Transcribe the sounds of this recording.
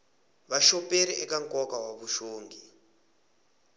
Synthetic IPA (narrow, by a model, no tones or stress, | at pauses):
βaʃɔpeɾiʔɛkaŋkʼɔkawaβuʃoːŋɡi